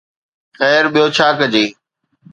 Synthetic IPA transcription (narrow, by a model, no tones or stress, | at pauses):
xɛːɾɓijoːt͡ɕʰaːkəd͡ʑeː